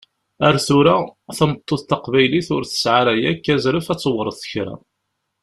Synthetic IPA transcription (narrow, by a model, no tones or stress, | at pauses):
æɾθʊɾaθəmət̪ˤːoθt̪ɑqvæjliθʊɾθə̥sʕaɾæjækːæzɾəfæt͡sːəwəɾˤəθθəçɾæ̰